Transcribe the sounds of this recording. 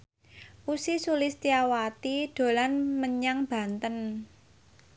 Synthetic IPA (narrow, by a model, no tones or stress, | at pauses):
ʔusisulɪst̪iawat̪id̥o̤lanməɲaŋb̥ä̤nt̪ən